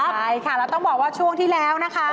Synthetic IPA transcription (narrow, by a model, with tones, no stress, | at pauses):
a˥˩jkʰa˥˩lɛː˦˥wt̪ɔ˥˩ŋbɔː˨˩k̚waː˥˩t͡ɕʰu˥˩əŋt̪ʰiː˥˩lɛː˦˥wna˦˥kʰa˦˥